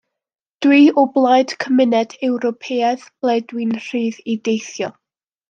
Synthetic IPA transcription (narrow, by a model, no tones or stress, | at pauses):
d̥wiːʊblˠajd̥kʰəmɪnɛdɛwɾɔpʰeːɛðb̥lˠɛdwɨnr̥iːðidejθjɔ